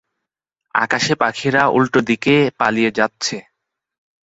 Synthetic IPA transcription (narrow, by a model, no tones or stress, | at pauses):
a̰kaʃepakʰiɾaʔṵlʈod̪ikepalijed͡ʑatːɕʰe